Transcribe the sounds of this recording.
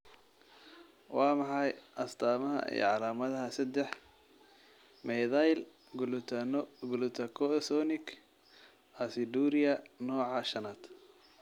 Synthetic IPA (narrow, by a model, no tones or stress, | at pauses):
wɑːmɑħɑjʔɐst̪aːmɐɦɐ̰ḭj̰ʕɑlaːmɐðɐɦɐsɐd̪ɛħ | mɛðajl | ɡʊlt̪ʰnɡʊlʊt̪ʰɐkʰɔsɔːnɪkʰ | ɐsɪd̪uːɾɪjɐnɔːʕɑʃɐnaːd̪̥